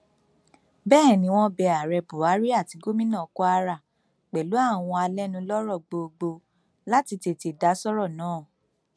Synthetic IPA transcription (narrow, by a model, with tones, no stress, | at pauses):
bɛː˦˨nĩ˧˦w̃ɔ̃˦bɛ˧a˨ɾɛ˧bu˨a˨˦ɾi˦a˦˨ti˧ɡo˦mĩ˦nã˦˨kɔ˦a˧ɾa˦˨ | k͡pɛ˨lu˨˦a˦˨w̃ɔ̃˧a˧lɛ˦nũ˧lɔ˦ɾɔ˦˨ɡ͡bo˧ɡ͡bo˧ | la˦ti˧te˧˨ti˨da˨˦sɔ˦ɾɔ˦˨nãː˨˦˨